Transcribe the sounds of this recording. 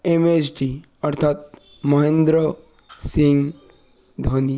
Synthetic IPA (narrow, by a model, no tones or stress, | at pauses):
emet͡ʃʈi | ɔɾt̪ʰat̪̚ | mɔɦẽnd̪ɾɔ | sĩŋɡ | d̪ʱoni